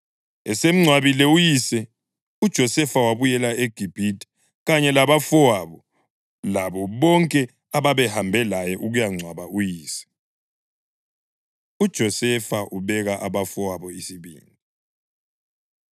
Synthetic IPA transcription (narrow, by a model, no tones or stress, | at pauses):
ɛsem̩ŋ͡ǀʱwaβilɛujisɛ | ud̥ʒ̥ʱɔsɛfawaβujɛlaeɡ̥ʱib̥ʱitʼɛ̥ | ɣaɲɛlaβafɔwaβɔ | laβɔβɔŋkʼɛ | aβaβɛhambʱɛlajɛʔuɣujaŋ͡ǀʱwaβaʔujiːsɛ̥ | ud̥ʒ̥ʱɔsɛfaʔuβɛɣaʔaβafɔwaβɔisiβḭːni